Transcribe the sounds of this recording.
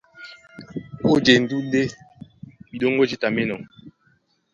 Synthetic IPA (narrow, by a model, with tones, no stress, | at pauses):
o˦d͡ʒe˨n̩˨du˦de˦ | bi˨ɗo˦ŋ˦ɡo˦d͡ʒi˦ta˨me˦nɔ˨ŋ